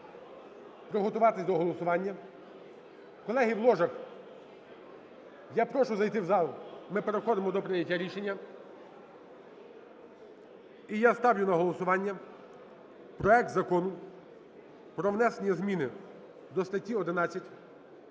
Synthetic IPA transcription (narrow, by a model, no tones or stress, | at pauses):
pɾɔɦɔt̪ʊʋɑt̪ɪsʲd̪ɔɦɔlˠɔsʊʋɑnʲːɐ | kɔlˠɛɦiwlˠɔʒɐk | japɾɔʃʊzɐjt̪ɪwzɑlˠmɪpeɾexɔd̪ɪmɔd̪ɔpɾɪjɐtʲːaɾʲiʃenʲːɐ | ijast̪ɑwjʊnɐɦɔlˠɔsʊʋɑnʲːɐ | pɾɔɛk̚t̪zɐkɔnʊ | pɾɔʋnɛsenʲijɐzmʲinɪ | d̪ɔst̪ɐtʲːiɔd̪ɪnɑt͡sʲːɐtʲ